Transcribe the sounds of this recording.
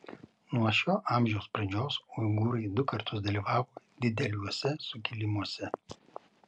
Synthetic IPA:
nuɔʃʲoːʔɑˑmʲʒʲɛʊspɾɐnʲd͡ʒʲoːsʊɪɡʊɾɐɪd̪ʊkɐɾt̪ʰʊsd̪ɐlʲiːʋɑːʋoːd̪ʲɪd̪ʲɛlʲuɔsʲɛsʊkʲɪlʲɪmuɔsʲɛ

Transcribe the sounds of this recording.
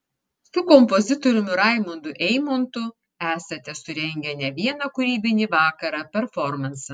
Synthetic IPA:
sʊkɔmpɔzʲɪt̪ɔɾʲʊmʲʊɾɑˑɪmʊnd̪ʊʔɛɪmont̪ʊ | æːsɐt̪ʲɛsʊɾʲɛŋʲɡʲɛnʲɛʋʲiɛnɐkʊɾʲiːbʲɪnʲiːʋɑːkɐɾɑpʲɛɾfɔɾmɐnsɐ

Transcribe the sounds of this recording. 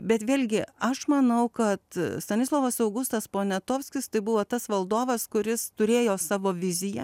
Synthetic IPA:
bʲɛt̪ʋʲeːlʲɡʲɪɐʃmɐnɐʊkɐt̪st̪ɐnʲɪslˠoːʋɐsɐʊɡʊst̪ɐspoːnʲɛt̪oːwsʲkʲɪst̪ɐɪbʊʋoːt̪ɐsʋɐlˠd̪oːʋɐskʊɾʲɪst̪ʊɾʲeːjoːsɑːʋoːʋʲɪzʲɪjɛ

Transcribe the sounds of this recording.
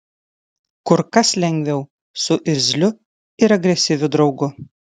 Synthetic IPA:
kʊɾkɐslʲɛŋʲɡʲʋʲɛʊ | sʊʔɪɾʲzʲlʲʊ | ɪɾɐɡɾʲɛsʲɪʋʲʊd̪ɾɒʊɡʊ

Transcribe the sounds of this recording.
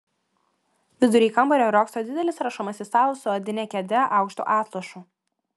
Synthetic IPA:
ʋʲɪd̪ʊɾʲiːkɐmbɔɾʲoːɾoːksoːd̪ʲɪd̪ʲɛlʲɪsɾɐʃɔmɐsʲist̪ɑːlˠʊsʊɐd̪ʲɪnʲɛkʲɛd̪ʲɛʔɑˑʊkʃt̪ṵːʔɑːt̪lˠɐʃu

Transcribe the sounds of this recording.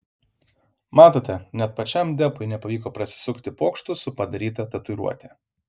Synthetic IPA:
mɑːt̪oːt̪ʲɛnʲɛt̪̚pɐt͡ʃʲɛmd̪ʲɛpʊɪnʲɛpɐʋʲiːkoːpɾɐsʲɪ̥sʊkt̪ʲɪpoːkʃt̪ʊsʊpɐd̪ɐɾʲiːt̪ɐt̪ɐt̪ʊɾṵɔt̪ʲɛ

